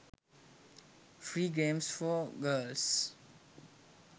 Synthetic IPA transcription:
fɹiɡɹɛ̃msfɔɡəls

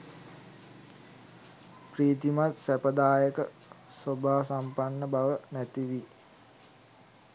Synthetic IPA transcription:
priːt̪imat̪sæpəd̪aːjəkə | sobaːsampanːəbaʋənæt̪iʋi

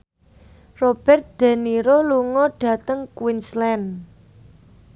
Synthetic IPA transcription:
rob̥ɛrt̪̚d̪̥a̤niɾoluŋɔɖ̥a̤t̪əŋkwinslɛn

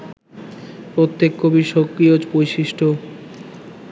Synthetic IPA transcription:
pɾot̪ːekːobiʃokːɾiod͡ʑpojʃiʃʈʰo

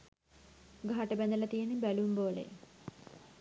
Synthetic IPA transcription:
ɡʱaɦaʈəbænd̪əlɐt̪ijenibælumboːlḛ

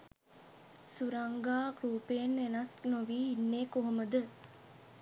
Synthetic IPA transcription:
suɾɐŋɡaːɡɾuːpeːnʋenɐsnoʋiːinːeːkoɦoməd̪ə

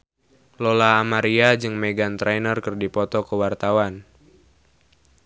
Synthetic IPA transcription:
lɔlaːmaɾiad͡ʒɨŋmɛɡant̪ɾɛnərkɨrdipɔt̪ɔkəwart̪awan

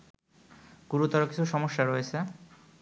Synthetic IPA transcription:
ɡuɾut̪ːɔɾoki̥t͡ɕʰuʃɔmoʃːaɾoet͡ɕʰe

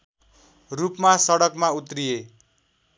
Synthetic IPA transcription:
rupmasʌɽʌkmaut̪rije

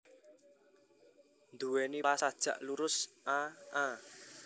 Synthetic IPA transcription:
nd̪uwɛniasad̥ʒ̥ä̤̰ʔluɾʊsʔaʔa

